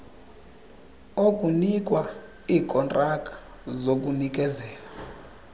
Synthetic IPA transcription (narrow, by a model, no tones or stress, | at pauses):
okʼunik̬ʼwa | iːkʼɔntʼakʼḁ | zok̬ʼunik̬ʼɛzɛːla